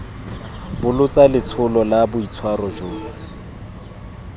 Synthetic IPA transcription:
bʊlʊt͡sʼalɪt͡sʰʊlɔlabʊit͡sʰwarɔʒʊːla

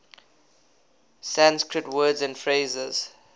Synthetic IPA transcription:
sãnskɹətwɜːdzæ̃nfɹeːzɛz̥

